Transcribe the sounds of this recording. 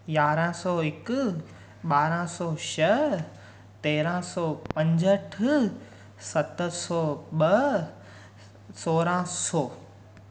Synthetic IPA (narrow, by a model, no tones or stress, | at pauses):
jaːɾãsɔːɪk | ɓaːɾãsɔːʃɐ | t̪eːɾãːsɔːpɐ̃ɲd͡ʑəʈʰ | sɐt̪sɔːɓɐ | soːɾãsɔː